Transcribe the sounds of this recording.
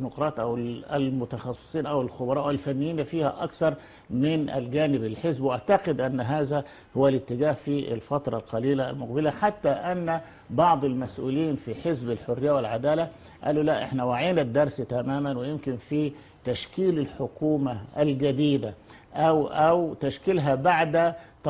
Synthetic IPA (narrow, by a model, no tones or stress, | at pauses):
nʊqɾˤɑːt̪ʔæwɪlmʊt̪ɑxɑsˤːɨ̥sˤiːnʔæwɪlxʊbɑɾˤɑːʔawɪlfanːɪjːiːnfiːhæʔɑkθɑɾˤ | mɪnʔɪ̰lɡæːnɪbɪlħɪzbwʔaʕt̪ɑqɪd̪ʔanːɦaːzæ | hʊwːælɪt̪ːɪɡaːhfiʔɪ̰lfɑt̪ɾˤɑlqɑliːla̰ːlmʊq̚bɪlaħat̪ːaʔanːæ | bɑʕd̪ˤɪlmæsʔṵːliːnfiħɪzbɪlħʊrːɪjːawɪlʕad̪aːla | ʔa̰ːlulæʔɪħnæwaʕiːnad̪ːɑɾˤst̪æmaːmænwɪjɪmkɪnfi | t̪æʃkiːlɪlħʊkuːmaælɡæd̪iːd̪a | ʔæwʔæwt̪aʃkɪlɦæbaʕd̪t̪